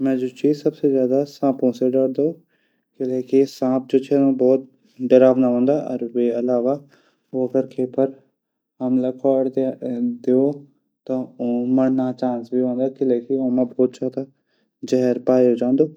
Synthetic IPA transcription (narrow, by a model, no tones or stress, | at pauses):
mɛ̃ːd͡ʒot͡ʃiːzsɐbsezjaːd̪asãːpõseɖəɽd̪oː | kɪleːkisãːp̚d͡ʒoːt͡ʃʰɛːnõbɔːt̪̚ | ɖ̪əɾaːʋnaɦõːnd̪aʔɔ̰ɾweɐlaːʋa | oɐɡəɾkʰeːpəɾ | ɦɐmlakʰaːɽd̪eo | t̪aõməɽnat͡ʃãːnsbʱiɦõːnd̪aːkɪleːkiõːmãbɔːt̪̚t͡ʃaːɦd̪a | d͡ʒɛɦɾpaːjod͡ʒãːnd̪oː